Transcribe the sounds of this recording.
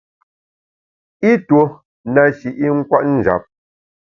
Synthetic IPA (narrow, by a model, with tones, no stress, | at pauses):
i˦two˦ | na˨ʃi˨ʔi˦ŋ̩˦kwa˦ʔn̩˦˨d͡ʒa̰˨p̚